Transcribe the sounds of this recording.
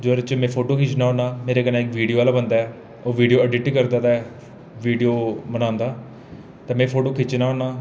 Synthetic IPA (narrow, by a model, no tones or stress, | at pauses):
d͡ʒəɾt͡ʃmɛ̃ːpʰoːʈoːkʰɪt͡ʃnaːõːnaːmeːɾeːkənãːɪkʋiːɖijoːaːlaːbənd̪aːɛː | oːʋiːɖioːəɖɪʈikəɾd̪aːd̪aːɛ | ʋiːɖijoːmənãːnd̪aː | t̪ẽːmɛ̃ːpʰoːʈoːkʰɪt͡ʃnaːɦoːnaː